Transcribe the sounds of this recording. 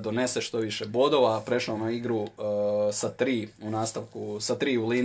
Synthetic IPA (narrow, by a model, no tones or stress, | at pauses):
d̪o̞ne̞seʃt̪o̞ʋiʃebo̞d̪o̞ʋapɾe̞ʃlanaiɡɾu | sat̪ɾiːunaːst̪aʋkusat̪ɾiːuliː